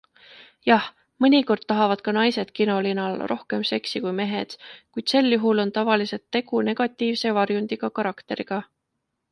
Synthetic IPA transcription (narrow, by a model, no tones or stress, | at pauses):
jɑh | mɤnʲiko̞rd̪̥̚t̪ɑɦɑvɑd̪̥kɑnɑjse̞d̪̥kino̞linɑlro̞hke̞mse̞ksikujme̞ɦe̞d̪̥kujd̪̥se̞lːjuɦulo̞nt̪ɑvɑlise̞t̪ːe̞ɡ̥une̞ɡ̥ɑt̪ːˑiːvse̞vɑrjunʲd̪̥iɡ̥ɑkɑɾɑkt̪e̞ɾiɡ̥ɑ